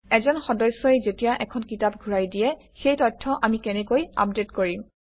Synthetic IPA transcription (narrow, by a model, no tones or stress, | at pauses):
ɛzɔnxɔdɔsːɔezetijaʔɛkʰɔnkitap̚ɡʱuɹajdijɛ | xejtɔtʰːɔʔamikɛnɛkoja̰p̚detkoɹim